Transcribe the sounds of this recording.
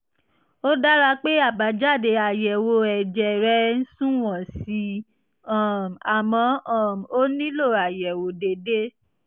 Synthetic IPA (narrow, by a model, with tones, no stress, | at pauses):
o˦da˦ɾa˧˦k͡pe˦a˦˨ba˨˦d͡ʒa˦˨de˧a˨jɛ˨wo˧ɛ˨d͡ʒɛ˨ɾɛ˧˦n̩˦sũ˦w̃ɔ̃˨si˧˦ | ã˨m˨a˨mɔ̃˧ã˦˨m˨o˦nĩ˦lo˦˨a˨jɛ˨wo˨˦de˧de˦